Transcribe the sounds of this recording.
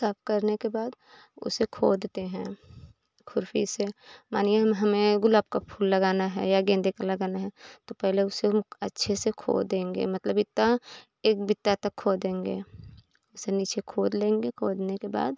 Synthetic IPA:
saːpʰkəɾnekebaːd̪ | ʊ̰sekʰo̰ːd̪t̪eɦɛ̃ | kʰʊɾfḭsemaːneɦmɦɐmẽɡʊlaːb̚kapʰuːlːɐɡaːnaɦɛ̰jaɡẽːnd̪ekalɐɡaːnaɦɛt̪opɛɦleʊsemətːʃʰesekʰo̰ːd̪ẽːŋɡḛmɐt̪ləbɪt̪ːa | eːk̚bɪt̪ːat̪ɐkʰːoːd̪ẽːŋɡḛː | ʊseniːt͡ʃʰekʰoːd̪lẽːŋɡekʰoːd̪nekeba̰ːd̪

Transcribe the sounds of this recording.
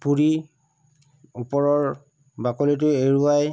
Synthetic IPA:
puɹi | upɔɹɔɹ | bakɔlit̬ʊeɹuaj

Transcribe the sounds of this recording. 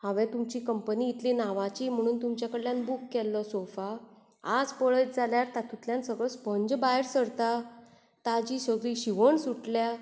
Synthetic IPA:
haʋɛ̃t̪umt͡ɕiːkəmpəniːt̪linaʋat͡ɕiːm̤əɽ̃uːnt̪umt͡ɕjakəɽljãnbukːɛlːəsofa | ad͡zpəɭət̪̚d͡zʱaljaɾt̪at̪ut̪ljãnsəɡɭəspəɲd͡ʑbajɾsəɾt̪a | t̪ad͡ʑiːsəɡɭiɕiʋəɳsuʈlja

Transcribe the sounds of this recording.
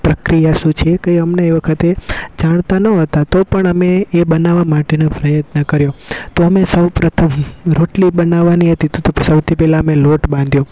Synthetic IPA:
pɾəkɾijaʃũt͡ʃʰekəjəmneːʋəkʰət̪ed͡ʒaɽ̃t̪anəɦət̪at̪opəɳəmeːbənaʋamaʈenepɾəjət̪nəkəɾjot̪oəmesəwpɾət̪ʰəmɾoʈlibənaʋːaniɦət̪it̪t̪osəwt̪ʰipɛlaəmeloʈbãnd̪ʱjo

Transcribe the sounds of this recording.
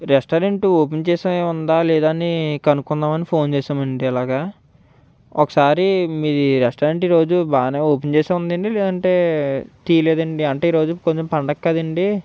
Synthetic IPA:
ɾesʈaɾeɳʈuoːpent͡ʃeːsɐeund̪aːlɛːd̪aːnikɐnukunːaːmɐnipʰo̞ːnt͡ʃɛːsaːmɐɳɖiɐlaːɡa | ɔkɐ̥saːɾimiːɾiɾesʈɐːɾeɳʈiːɾo̞ːd͡ʒubaːneːoːpent͡ʃɛːsaːund̪ɐɳɖilɛːd̪ɐɳʈe̞ːt̪iːjɐleːd̪ɐɳɖiɐɳʈeːiːɾo̞ːd͡ʒukoɲt͡ʃempɐɳɖɐkːɐd̪ɐɳɖi

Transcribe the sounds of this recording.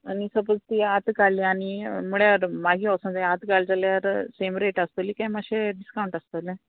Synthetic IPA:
anisəpəd͡zt̪iat̪kaɭliaɽim̤uɭjaɾmaɡiːasə̃nd͡zajat̪kald͡zaljaɾsemɾeʈast̪olikajmaɡɕeɖiskawɳʈast̪əle

